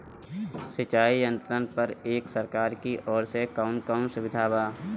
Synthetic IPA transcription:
sɪt͡ʃaːijə̃nt̪ɾənpəɾeːksəɾkaːɾkiʔɔːɾsekaʊnkaʊnsʊʋɪd̪ʱaːbaː

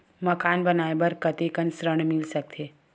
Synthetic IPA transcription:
mɐkaːnbɐnaːebɐɾkɐt̪ekənsɾəɳ̃mɪlsɐk̚t̪ʰeː

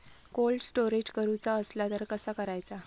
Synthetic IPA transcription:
kolɖsʈoɾed͡ʑkəɾut͡saəslat̪əɾkəsakəɾajt͡sa

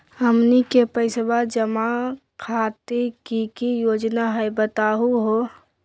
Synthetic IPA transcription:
əmnikepəɪsbad͡ʒəma | kʰaːt̪ikikijoːd͡ʒnaɦɛebət̪aːɦuɦo

